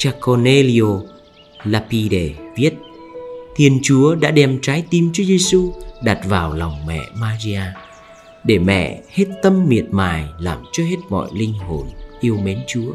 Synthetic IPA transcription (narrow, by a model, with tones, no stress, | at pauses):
t͡ɕaː˧ko˧ne˧li˧o˧ | laː˧pi˧ɗe˧˩vi˦˥ət̚ | t̪ʰi˧ənt͡ɕu˨˦əɗa̰ː˧˥ɗɛ˧mt͡ɕaː˨˦jt̪i˨˧mt͡ɕu˨˦əze˧su˧ɗa˨˩t̚vaː˨˩wla˨˩wŋ͡mmɛ̰˧˨maː˧zi˧ʔaː˧ | ɗe˧˩mɛ̰˧˨he˦˥t̚t̪ə˧mːi˨˩ət̚maː˨˩jlaː˨˩mt͡ɕɔ˧ɦe˦˥t̚mɔ̰˧˨jlï˧ŋ̟ɦo˨˩nʔi˧əwme˨˦nt͡ɕu˨˦ə